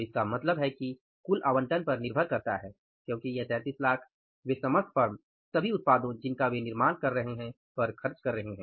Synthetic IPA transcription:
ɪskamɐt̪ləbɦɛki | kʊlʔaːʋə̃ɳʈənpɐɾnɪɾbʱəɾkɐɾt̪aɦɛː | kjõːkijɐt̪ɛ̃ːt̪iːslaːkʰ | ʋesɐməst̪pɐɾm | sɐbʱiʊt̪̚paːd̪õd͡ʒɪnkaʋenɪɾmaːnkɐɾːɐɦeɦɛ̃ | pɐɾxʰɐɾt͡ʃkɐɾːɐɦeɦɛ̃ː

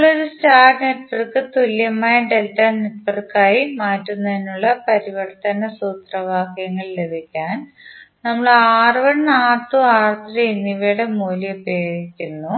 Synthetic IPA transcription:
ɐɐɭoɾustaːrneʈʋɐrkɨt̪oljɐmaːjɐɖeltːɐneʈʋɐrkːaːjimaːtːunːɐðinuɭːɐpɐɾiʋɐrt̪ɐnɐsuːt̪rɐʋaːkjɐŋːɐɭle̞bʱikʲːaːn | nɐmːɐɭaːrɨʋɐɽnaːt̪ːuaːrt̪ɾɐenːiʋɐɽemoːljɐpeːɣikʲːunːu

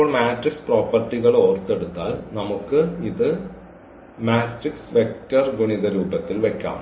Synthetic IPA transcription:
oːɭmaːʈriksproːpːɐrʈːiɣɐɭoːrt̪eɽut̪ːaːlnɐmukːɨiðɨ | maːʈriksʋek̚ʈɐrɡuɳiðɐɾuːbɐt̪ːilʋekʲːa̰ːm

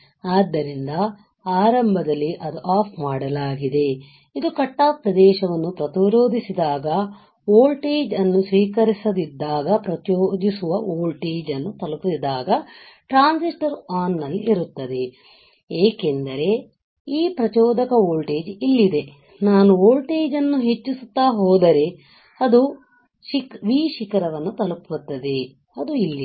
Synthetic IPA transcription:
aːd̪ːɐɾind̪ɐ | aːɾɐmbʱɐd̪ɐlːiʔɐd̪uʔaːpʰmaːɽɐlaːɡid̪e̞ | id̪ukɐʈːaːpɾɐd̪ɛːʃɐʋɐnːupɾɐt̪iɾoːd̪ʱisid̪aːɡɐ | oːlʈeːd͡ʒɐnːusʋiːkɐɾisɐd̪id̪ːaːɡɐpɾɐt͡ʃjoːd͡ʒisuʋɐoːlʈeːd͡ʒɐnːut̪ɐlukut̪id̪ːaːɡɐ | ʈɾaːnsisʈɐɾaːnːɐlːiʔiɾut̪ːɐd̪e̞ | eːke̞nd̪ɐɾe̞ | iːpɾɐt͡ʃɔːd̪ɐkɐoːlʈeːd͡ʒilːid̪e̞ | naːnuoːlʈeːd͡ʒɐnːuɦet͡ʃːisut̪ːaːɦɔːd̪ɐɾe̞ | ɐd̪u | ʃikʋiːʃikɐɾɐʋɐnːut̪ɐluput̪ːɐd̪e̞ | ɐd̪uilːi

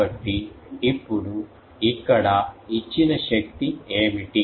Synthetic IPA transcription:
ɐʈːiipːuɽu | ikːɐɽɐit͡ʃːinɐʃɐk̚t̪ieːmiʈi

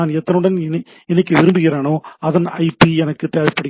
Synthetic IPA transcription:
aːnɛt̪ːɐnɯɽɐnɛn | ɛnɐk̬ːɯʋɪɾɯmbɯɣɪɾeːnoːɐðɐnɐ̰ɪpːiɛnɐkːɯt̪eːʋɪpːɐɽɣ

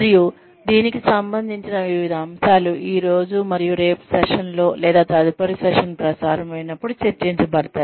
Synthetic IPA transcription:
ɐɾiju | d̪iːnikisɐmbɐnd̪ʱiɲt͡ʃinɐʋiʋid̪ʱɐːmsaːluiːɾo̞ːd͡ʒumɐɾijuɾeːpsɛʂɐnlo̞ːlɛːd̪aːt̪ɐɐd̪ʱipɐɾisɛʂɐnpɾɐsaːɾɐmɐjnɐpːuɽut͡ʃɐɾt͡ʃiɲt͡ʃɐbɐɽɐt̪aːji

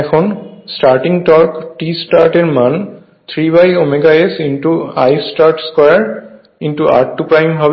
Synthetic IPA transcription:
ɛkʰɔnsʈaɹʈiŋʈɔɹkʈisʈaɹʈeɹman | t̪ʰɹibajomeɡaesinʈua̰jsʈaɹʈskɔɹaɹ | intua̰ɹʈːupɹajmbʱab

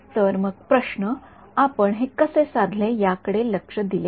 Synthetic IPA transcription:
t̪əɾməɡ̚pɾəɕnə | apəɳɦekəsesãd̪ʱlejakəɽeləkʂəd̪ile

